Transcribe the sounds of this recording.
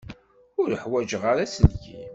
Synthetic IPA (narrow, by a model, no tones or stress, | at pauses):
ʊɾəħwæd͡ʒəʁaɾæsəlçḭ